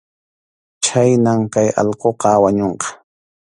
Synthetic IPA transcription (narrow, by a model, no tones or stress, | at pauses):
t͡ʃajnamkajɑ̰ʎqoqɑwaɲoɴqɑ̥